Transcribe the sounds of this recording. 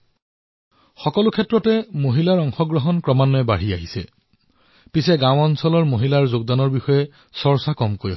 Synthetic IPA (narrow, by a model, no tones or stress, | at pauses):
xɔkɔlʊkʰɛtːɹɔtɛmoɦilaɹɔŋxɔɡɹɔɦɔnkɹɔmanːɔɛbaɹ̤iaɦisɛ̰ | pisɛɡãwɔnsɔlɔɹmoɦilaɹzoɡ̚danɔɹbixɔjɛ | sɔɹsakɔmkoj